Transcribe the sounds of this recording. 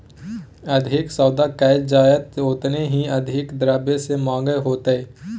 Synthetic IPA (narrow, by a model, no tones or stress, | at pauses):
ɐd̪ʱɪksəːd̪akɛːd͡ʒaːjət̪oːt̪neɦiɐd̪ʱɪkd̪ɾaːbesemãːŋɡəjɦoːt̪ɦɛː